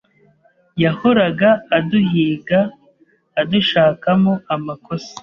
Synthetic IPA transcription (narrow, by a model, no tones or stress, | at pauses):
jaho̞ɾaɡaːduhiːɡaː | duʃaːkamoamakosie̥